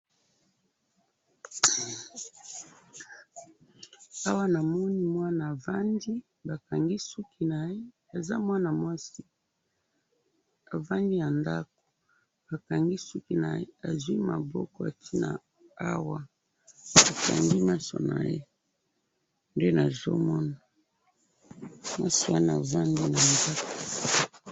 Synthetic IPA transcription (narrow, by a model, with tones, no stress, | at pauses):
a˦wa˦na˨mɔ˦ni˦mwa˦na˨va˦ndi˦ | ba˨ka˨ŋɡi˦su˦ki˦na˨je˦ | a˨za̰˦mwa˦na˨mwa˦si˦ | a˨va˦ndi˦ja˨nda˦k̚o̥˨ | ba˨ka˨ŋɡi˦su˦ki˦na̰˨je˦a˨zwi˦ma˨bɔ̰˦kɔ˨a˨tʰi˦na̰˨ | a˦wa˦ | a˨ka̰˨ŋɡi˦ma˦so̰˨na̰˨je˦ | nde˦na˨zɔ̰˦mɔ˦na˨ | mwa˦si˨wa˦na˨va˦ndi˦na˨nda˦ko˨